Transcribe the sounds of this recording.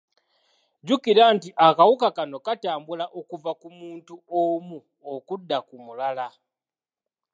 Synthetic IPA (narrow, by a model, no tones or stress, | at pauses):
ɟukiɾantiʔakawukakano̞kataːmbulaʔokuvakumuːntuomu | okudːakumulala